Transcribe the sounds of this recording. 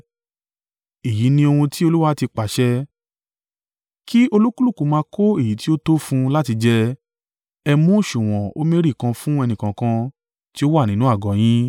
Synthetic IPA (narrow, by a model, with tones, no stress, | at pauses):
i˨ji˨˦nĩ˧o˧hũ˧ti˦o˧lu˦wa˦ti˧k͡pa˨ʃɛ˦ | ki˦o˧lu˦ku˦lu˦˨kũ˨˦mãː˧kʰo˦e˦˨ji˨˦ti˦o˦to˦fũ˧la˦ti˧d͡ʒɛ˦ | ɛ˧mũ˦˨ʃũ˨w̃ɔ̃˨o̰˦mẽ˦ɾi˦˨kã˧fũ˦ɛ˧nĩ˨kã˨kã˧ | ti˦o˦wa˦˨nĩ˦nũ˦a˦˨ɡɔ̃˨j̃ĩ˦